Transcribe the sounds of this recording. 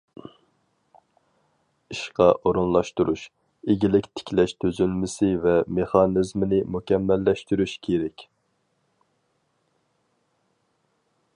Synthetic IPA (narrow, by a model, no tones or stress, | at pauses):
iʃqɑʔoɾunlˠɑʃt̪uɾuʃ | eɡʲilɪkʲt̪ʰɪ̥kʲlɛʃt̪ʰøzylmɪsɪvɛmeχɑnɨzmɪnɪmukʲɛmːɛlːɛʃt̪yɾyʃkʲʰeɾɛkʲ